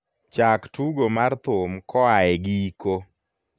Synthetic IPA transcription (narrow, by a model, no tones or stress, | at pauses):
t͡ʃaktuɡomart̪ʊmkɔaɛɡiiko